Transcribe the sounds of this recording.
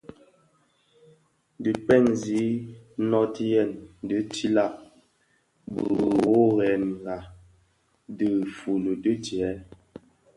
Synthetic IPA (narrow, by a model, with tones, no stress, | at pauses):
də˨k͡pɛ˦˨nzi˨˦nɔ˦ti˦jɛ˦˨ndə˨˦tʰi˦la˦˨ʔ | bə̰˨ɣo˦ɣɛ˨nŋ˨ɡa˨ | də˨fu˨lə˨də˦tjɛ˨˦